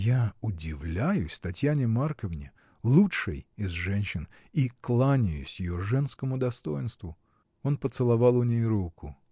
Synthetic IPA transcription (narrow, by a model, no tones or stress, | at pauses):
jaʊdʲɪvlʲæjʊsʲt̪ɐtʲjænʲɪmarkəvnʲɪ̰ | lˠuʂɨjɪzʐɛnʲɕɪn | iklˠanʲɪjʊ̰sʲjɪjo̞ʐɛnskəmʊd̪ɐst̪o̞jɪnst̪vʊ | o̞npət̪sɨlˠɐvɑlˠʊnʲejɾukʊ